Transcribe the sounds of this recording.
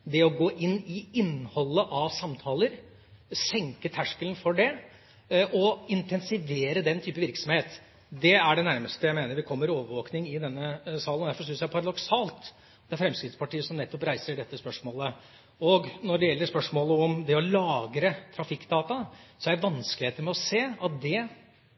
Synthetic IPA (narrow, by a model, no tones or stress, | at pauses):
d̪ɛɔɡoːʔɪnːɪɪnːhɔlːəʔɑʋsɑmt̪ʰɑːləɾ | sɛŋkət̪ʰæʂkələn̩fɔɖɛ | ʔɔɪnt̪ʰɛnsɪʋeːɾəd̪ɛnt̪ʰyːpəʋɪɾksɔmheːt̪ | d̪ɛæɖɛnæɾməst̪əjæɪmeːnəɾʋɪkʰɔmːəɾoːʋəɾʋoːknɪŋɪd̪ɛnːəsɑːlənɔd̪æɾfɔɾʂ̬ʏnsjæɪɾpʰɑɾɑd̪ɔksɑːlt̪ | d̪̥ɛæɾfɾɛmskɾɪt̪spɑʈiːəsɔmnɛt̪ːɔpɾæɪsəɖɛt̪ːəspœʂmoːlə | ɔɡnɔɖɛjɛlːəspœʂmoːləɔmd̪ɛɔlɑːɡɾət̪ʰɾɑfɪkːd̪ɑːt̪ɑsɔæɖəʋɑnskəlɪheːt̪əɾmɛɔseːɑt̪̚d̪ɛ